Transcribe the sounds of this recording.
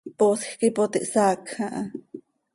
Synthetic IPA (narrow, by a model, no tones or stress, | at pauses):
posxkipot̪ḭʔsakʰãʔa